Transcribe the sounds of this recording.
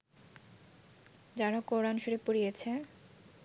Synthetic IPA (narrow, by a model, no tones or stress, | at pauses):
d͡ʑaɾakoɾanʃuɾepuɾijet͡ɕʰe